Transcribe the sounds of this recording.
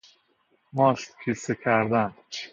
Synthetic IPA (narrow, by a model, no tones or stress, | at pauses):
mɒːʃt̪kʰisekʰæɾd̪æn